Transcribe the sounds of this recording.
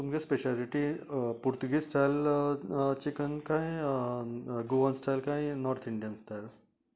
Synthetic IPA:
t̪umkespeɕaliʈipuɾt̪uɡisʈʰajl | t͡ɕikənkaj | ɡoʋənsʈ̪ʰajlkajnɔɾt̪ʰiɳɖijənst̪ʰajl

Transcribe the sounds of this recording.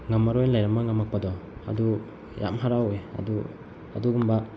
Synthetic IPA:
ŋamaɾojnlajɾamaŋamak̚padɔa̰du | ja̰mɦaɾawea̰du | a̰duɡumba

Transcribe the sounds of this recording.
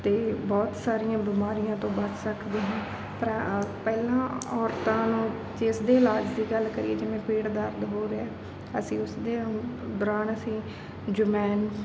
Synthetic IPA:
t̪eːbɔːt̪saːɾijãːbɪmaːɾijãːt̪õːbət͡ʃʰsəkʰd̪eːɦãː | pəɾpɛːlãːɔːɾt̪ãːnũː | d͡ʒɪsd̪eːɪlaːd͡ʒd̪iːɡəlkəɾiːḛːd͡ʒɪʋẽːpeːɽd̪əɾd̪ɦoːɾeɛː | əsĩːʊsd̪eːd̪ɔːɾaːnəsĩː | d͡ʒʊmɛːn

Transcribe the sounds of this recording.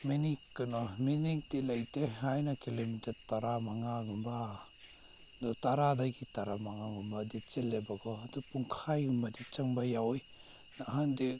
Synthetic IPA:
minikːɯnɔminik̚dilajteɦajnakilomiteɾtaɾamaŋaɡumba | dutaɾadaɡitaɾamaŋaɡumbadit͡ʃelːebaɡɔadupuŋkʰajɡumbadit͡ʃaŋbajawɔj | naɦandi

